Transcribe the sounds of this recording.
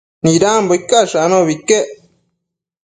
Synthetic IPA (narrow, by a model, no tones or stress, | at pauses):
niɾaːmbojkːaʂanoβikːe